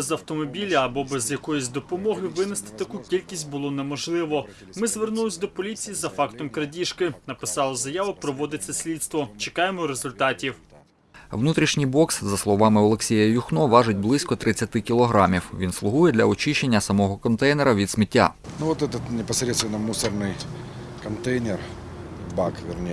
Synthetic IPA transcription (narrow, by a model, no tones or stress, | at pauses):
ɛzɐwt̪ɔmɔbʲilʲɐːbɔbɛzjɐkɔjʊsʲd̪ɔpɔmɔɦɪʋɪnɪst̪ɪ̥t̪ɐkukʲilʲkʲisʲtʲbʊlˠɔnɛmɔʒlˠɪʋɔ | mɪzʋernulˠsʲd̪ɔpɔlʲit͡sʲijizɐfɑkt̪ɔmkɾɐdʲiʃkɪnɐpɪ̥sɑlˠɐzɐjɑʋʊpɾɔʋɔd̪ɪt͡sʲːɐsʲlʲid̪st̪ʋɔt͡ʃekɑjemɔɾezʊlʲt̪ɑtʲiw | ʋnut̪ɾʲiʃnʲijbɔkszɐslˠɔʋɑmɪɔlˠeksʲejɐjʊxnɔʋɑʒʊt̚ʲblˠɪsʲkɔt̪ɾɪt͡sʲːɐt̪ɪkʲilˠɔɦɾɑmʲiwʋʲinslˠʊɦujɛd̪lʲɐɔt͡ʃɪʃt͡ʃe̞nʲːɐsɐmɔɦɔkɔnt̪ɛjnɛɾɐʋʲid̪smɪtʲːa̰nuɔt̪ɛt̪ət̪nʲɪpɐsɾʲet̪st̪vʲɪnːəmusərnɨj | kɐnt̪ejnʲɪr | bakʋʲɪrnʲe